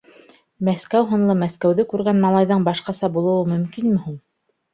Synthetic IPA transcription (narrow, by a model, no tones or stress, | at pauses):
mæskæwɦŏnlˠɤmæskæwðɘkʉɾɡænmɑlˠɑjðɤɴbɑʃqɑsɑbulˠɤ̆wɤmɵ̆mkinmɘ̆hun